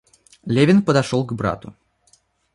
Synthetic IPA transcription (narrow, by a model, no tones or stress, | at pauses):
lʲevʲɪnpəd̪ɐʂolˠɡbɾa̰t̪ʊ